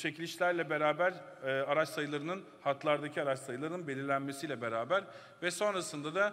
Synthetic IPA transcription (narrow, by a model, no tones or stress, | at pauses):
t͡ʃʰecilʲiʃlʲæɾlʲɛbe̞ɾaːbæɾ | aɾat͡ʃsajɯlˠaɾɯnɯn | hat̪ʰlˠaɾd̪acʰiaɾat͡ʃsajɯlˠaɾɯnɯnbelʲiɾlʲænme̞sijlʲɛbeɾaːbæɾ | vɛso̞nɾasɯnd̪ad̪a